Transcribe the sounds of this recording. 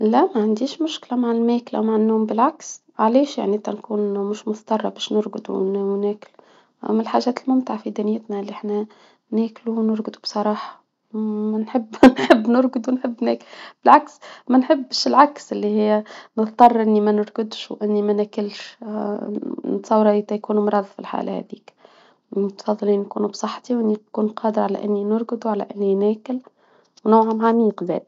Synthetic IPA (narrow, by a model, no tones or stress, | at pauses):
læmæʕand̪iːʃmʊʃklæmaʕɪlmæːklʔa̰wmaʕɪnːoːmbɪlʕaks | ʕaleːʃja̰ʕnit̪ænkuːnmʊʃmʊt̪ˤɑrˤːɑbɛːʃnʊɾɡʊd̪ṵnːnæːkl | ʔæ̰mːælħaʒæːt̪lmʊmt̪ɪʕafid̪iːnjɪt̪næɪlːiʔaħnæ | næːkluwnʊɾɡd̪ubsˤɑɾˤɑːħɑ̥ | mænħɪbːnħɪbːnʊɾɡʊd̪uwnħɪbːnæːklb̥ɪlʕaksmænħɪbːʃɪlʕaksɪlːihɪjːnəðt̪ˤːɑrˤːʔɪnːimænʊɾˤɡʊd̪ʃwʔɪnːimænækɪlʃ | nt̪sˤɑwːɾˤɑit̪ːæjkuːnumɾˤɑːðˤfḭlħa̰ːlhɛ̰d̪ḭːk | mʊt̪fɑðˤːɑliːnːkuːnubsˤɑħːt̪iwnikuːnqʰɑːd̪əɾʕalæ̰ʔɪnːinʊɾɡəd̪uʕalæ̰ʔɪnːinæːkɪl | wnawʕamʕaniqðæ̰ːd̪